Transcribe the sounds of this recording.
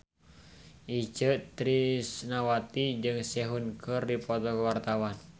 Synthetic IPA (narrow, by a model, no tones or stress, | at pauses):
ʔit͡ʃəʔt̪ɾisnawat̪id͡ʒɨŋsɛɦunkʰərdipɔt̪ɔkəwart̪awan